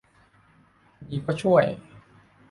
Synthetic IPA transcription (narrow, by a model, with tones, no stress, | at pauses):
niː˧˩kɔː˥˩t͡ɕʰu˥˩əj